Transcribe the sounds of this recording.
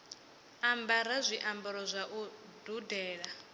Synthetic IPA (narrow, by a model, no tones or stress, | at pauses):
ambaɾazʷiʔambɔɾɔzʷaʔu | dudɛːɺa